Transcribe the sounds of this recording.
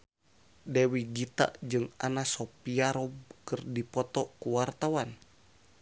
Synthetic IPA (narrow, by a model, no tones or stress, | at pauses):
dewiɡit̪a̰ʔd͡ʒɨŋanasopiaɾɔbkɨrdipɔt̪ɔkuwart̪awan